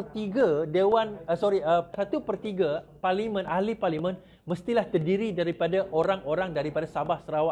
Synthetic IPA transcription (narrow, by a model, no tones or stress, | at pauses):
ərt̪iɡadewanəsɔɾiəsat̪upərt̪iɡaparlimə̃nahliparlimə̃n | məst̪ilaht̪ərdiɾidaɾipadaʔoɾaŋoɾaŋdaɾipadasabahsəɾawa